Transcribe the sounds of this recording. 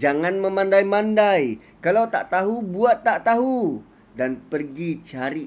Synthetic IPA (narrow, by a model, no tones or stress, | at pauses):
d͡ʒaŋanməmandajmandaj | kalawt̪a̰ʔt̪aɦubuat̪ːaʔt̪aɦu | danpərɡit͡ʃaɾi